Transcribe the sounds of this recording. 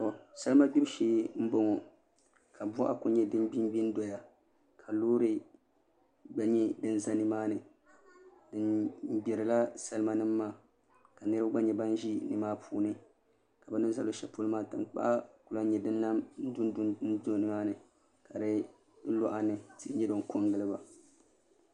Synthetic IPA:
ɔ˨sa˦lɨ˦ma˦bi˦bʃeː˦m̩˦bo˦ŋɔ˨ | kʰa˨bʷa˦ʔa˦kʊ˨ɲɛ˦dɨ˦nbi˦mbi˦n˦do˨ja˨ | kʰa˨loː˦ɾɨ˦ | ɡ͡ba˦ɲɛ˦dɨ˦n˦za˦nɨ˨maː˦nɨ˨ | dɨ˦n̩˦ɡ͡bɛ˨ɾɨ˨la˦sa˦lɨ˦ma˦nɨ˦mː˦aː˦˨ | ka˨nɨ˦ɾɨ˦ba˦ɡ͡ba˦ɲɛ˨ba˦n˦ʒi˦nɨ˨maː˦pʰuː˦˨nɨ˦ | ka˨ba˨nɨ˦za˦lo˦ʃɛ˨po˦lɨ˦maː˦tɨ˨nk͡pa̰˦ʔa˦ku˨la˦ɲɛ˨dɨ˦n˦la˦m̩˦dn˦n̩˦do˦˨nɨ˦maː˦nɨ˨ | ka˨ɾɨ˦ | lo˦ʔa˦nɨ˨ti˦ɲɛ˦do˨ŋ˦ko˦ŋɡɨ˦lɨ˦ba˨

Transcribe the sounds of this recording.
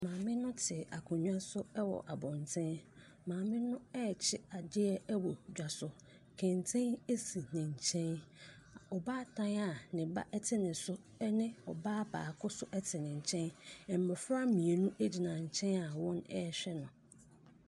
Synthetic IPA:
mãː˨mɪ̃˦nʊ̃˦tʰɪ˨ʔa˨kʰʊ̃˨ɲᶣũ˦a˦sʊ˦ɛ˦wɔ̰˨ʔa˨bɔ̃˨ntʰɛ̃˦n | mãː˨mɪ̃˦nʊ̃˦ɛ˦˨t͡ɕʰɪ˦a˨d͡ʑɪ˦ɛ˦ɛ˦wɔ˨d͡ʑᶣa˨sʊ˨ | kʰɛ̃˨n˨tʰɛ̃˦ne˦si˨nɪ̃˨ɲ̩˨t͡ɕʰɛ̃˦n˨ | ɔ˨baː˦tʰã˦na˨nɪ̃˨ba̰˦ʔɛ˦tʰɪ˦nɪ̃˨sʊ˦ | nɪ̃˦ɔ˨baː˦ba̰ː˨kʰʊ˦sʊ˦ʔɛ˦tʰɪ˨nɪ̃˨ɲ̩˨t͡ɕʰɛ̃˦nɛ˨m̩˨bɛ˨fɾa˦mĩ˨e˨nũ˦e˦d͡ʑi˨nã˨ɲ̩˨t͡ɕʰɛ̃˦na˨wɔ̃˦nɛ˦˨ɕᶣɛ˦nʊ̃˨

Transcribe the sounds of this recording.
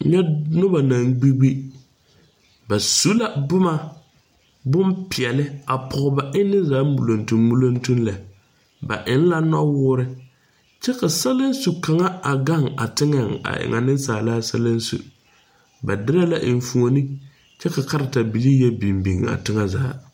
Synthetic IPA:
ɲɛ˦nʊ˦ba˨na˨ŋɡ͡bi˦bi˦ | ba˨su˦la˦bʊ˦ma˦ | bʊ˦mpɪ˨ɛ˨lɪ˦a˨pʰʊ˨ʊ˨ba˨ʔɪ˦nːɪ˦zaː˨˦mu˨lo˨ntu˨mmu˨lo˦ntu˦nla˨ | ba̰˨ʔɪ˨˦n˦la˦nɔ˦wʊː˦ɾɪ˦ | t͡ʃɛ˦ka˨sa˦lɪ˦n˦su˨ka˨ŋa˦a˨ɡa˦˨ŋa̰˨tɪ˦ŋa˨ŋa̰˨ʔɪ̰˨ŋʔa̰˨nɪ˦n˦saː˨laː˦sa˦lɪ˦n˦sṵ˨ | ba̰˨dɪ˦ɾa˦la˦ʔɪ˨n˨fu˨o˨ni˦ | t͡ʃɛ˦ka˨ka˦ɾɪ˨ta˨bi˨li˦jɛ˦bi˨mbi˨ŋ˨a̰˨tɪ˦ŋa˦zaː˨˦

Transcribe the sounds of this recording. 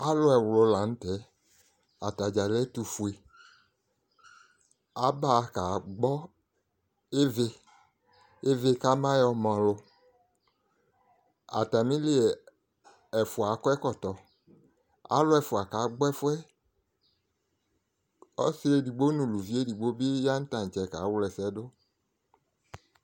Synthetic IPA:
a˦lʊ˦ɛ˨wlʊ˨˧la˨n̩˦tɛ˨˦ | a˨ta˨d͡ʒa˨lɛ˦tu˧fu˨e˨ | a˨˦ba˦˨ka˨ɡ͡bɔ˦ | e˦ve˧ | e˦ve˦ka˦mã˦jɔ˨˧mɔ̃˨lʊ˨ | a̰˨t̪a˨mĩ˦le˦˨ | ɛ˨fo˨a˨˦kɔ˦ɛ˦kɔ˨t̪ɔ˨ | a̰˨˦lʊ˦ɛ˨fo˨a˨ka˨˦ɡ͡bɛ˦fʊ˦ɛ˦ | ɔ̰˦se˦e˦di˨ɡ͡bo˦nũ˨lu˨vi˦e˦di˨ɡ͡bo˦be˦ja˦n̩˦t̪ã˨n˨t͡ʃɛ˨ka˨˦wlɛ˨sɛ˦do˦

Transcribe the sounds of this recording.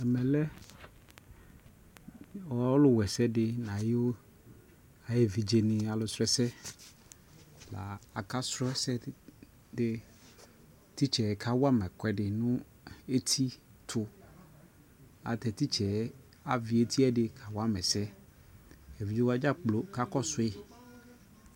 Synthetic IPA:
ɛ˨mɛ˨lɛ˦ | wɔ˦lʊ˦wɛ˨sɛ˦dɪ˨nã˨ji˦wo˦ | a˨je˨vi˨d͡ʒe˨nɪ̃˨a˨lʊ˨sɾɛ˦sɛ˦ | la̰˨a˨ka˦sɾɔ˦sɛ˦ | dɪ˦ | t̪i˦t͡ʃɛ˨kʰa˨wa˦mɛ̃˨kɛ˨dɪ˨nʊ̃˦ | e˦t̪ʰi˦tʰʊ˦ | a̰˨t̪ɛ˨t̪i˦t͡ʃʰɛ˨ | a˨vi˨e˦t̪ʰi˦ɛ˦dɪ˨kʰa˨wa˦mɛ̃˨sɛ˦ | e˨vi˨d͡ʒe˦wa˦d͡ʒa˦k͡plo˨ka˦kɔ˦sʊ˦ɪ˦

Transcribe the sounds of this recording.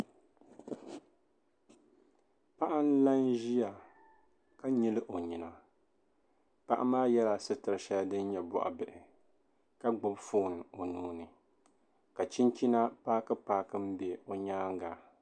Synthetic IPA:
pa˦ʔa˦n˦la˦nʒi˦ja˨ | ka˦ɲi˦lɨ˦ʔo˨ɲi˨na˨ | pa˦ʔa̰˦maː˦jɛ˦la˨sɨ˦tɨ˨ɾɨ˨ʃa˦ldɨ˦n˦ɲɛ˨bɔ̰˨ʔa̰˨bɨ˨ʔɪ˨ | ka˦ɡ͡bʊ˦bfoː˦˨n˨o˨nuː˦nɨ˨ | ka˨t͡ʃi˦nt͡ʃi˦na˦paː˦kɨ˦paː˦kɨ˦m̩˦be˨o˨ɲaː˦ŋ˦ɡa˨

